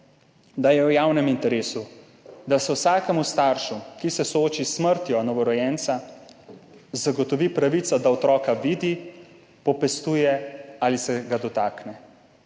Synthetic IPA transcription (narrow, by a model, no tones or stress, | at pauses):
d̪ajɛwjaːwnɛmint̪ɛɾeːsu | d̪asɛwsaːkɛmust̪aːɾʃukisɛsɔoːt͡ʃisməɾt̪jɔnɔʋɔɾɔjɛnt̪sa | zaɡɔt̪ɔʋipɾaʋit̪sad̪aɔt̪ɾɔːkaʋiːd̪i | pɔpɛst̪uːjɛaːlisɛɡad̪ɔt̪aːknɛ